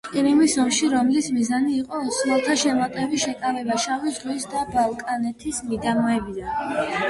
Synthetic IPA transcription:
iɾimisɔmʃiɾɔmlismizaniːqʼɔnslɔlˠt̪ʰaʃɛmat̪ʼɛbiʃɛkʼavɛbaʃavizʁwisd̪abalˠkʼanɛt̪ʰismid̪amɔɛbid̪an

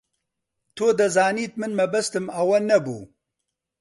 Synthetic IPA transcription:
t̪ʰoːd̪ɐzaːniːt̪̚mɨnmɐbɐst̪ɨmɐwɐnɐbṵː

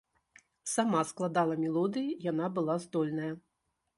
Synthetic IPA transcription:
samasklˠad̪alˠɐmʲɛlˠɔd̪ɨjijanabɨlˠazd̪ɔlʲnɐjɐ

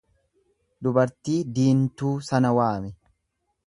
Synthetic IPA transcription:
d̪ʊbɐɾt̪iːd̪iːnt̪uːsɐnɐwaːmɪ

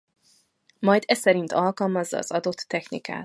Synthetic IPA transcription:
mɒjd̪ɛsɛɾint̪ɒlkɒlmɒzːɒ̰ːz̥ɒd̪o̞t̪ːɛxnḭka̰ːt̪

